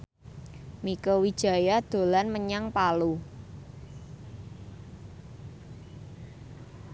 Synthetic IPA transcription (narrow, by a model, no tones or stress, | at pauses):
mikowid̥ʒ̥a̤jad̪̥o̤lanməɲaŋpalu